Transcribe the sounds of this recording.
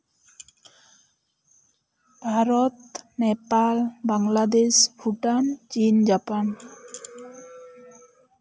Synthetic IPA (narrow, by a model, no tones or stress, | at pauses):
bʱaɾɔt̪nepalbaŋlad̪espʰuʈant͡ʃind͡ʒapan